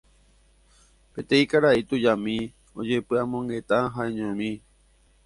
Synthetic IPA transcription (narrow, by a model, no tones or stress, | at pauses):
pe̞t̪ẽĩkaɾait̪ud͡ʒamĩ | od͡ʒe̞pɨamõ̞ŋɡe̞t̪aɦaẽɲõmĩ